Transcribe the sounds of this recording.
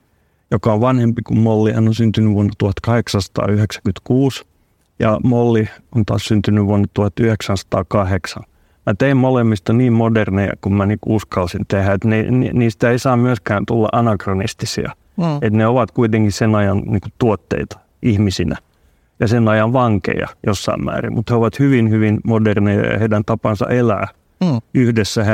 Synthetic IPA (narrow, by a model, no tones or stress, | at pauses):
jokɑoʋʋɑnhempikummolːihænːonsynt̪ynyʋuonːɑt̪uhɑt̪kɑheksɑnsɑ̥t̪ɑ̰ːyheksæ̥kyt̪kuːs | jɑ̰molːiont̪ɑ̰ːssynt̪ynyʋuonːɑt̪uhɑt̪yheksɑnsɑ̥t̪ɑːkɑheksɑ̰n | mæt̪eimmolemːist̪ɑniːmmodernejɑ̰kummænikuuskɑlsint̪ehæet̪nen̰niːst̪æeisɑːmyøskæːnt̪ulːɑ̰ʔɑnɑkronist̪isḭɑ̰ | et̪neoʋɑt̪kuit̪eŋkissenɑjɑnniːkutt̪uot̪ːḛit̪ɑ̥ | ihmisinæ̰ | jɑsenɑjɑʋʋɑŋkḛjɑ̰josːɑ̰immæ̰ːrḭmmut̪heoʋɑt̪hyʋinhyʋinmodernejɑ̰jɑ̰heidænt̪ɑpɑnsɑ̰ʔelæ̰ː | yhdesːæhe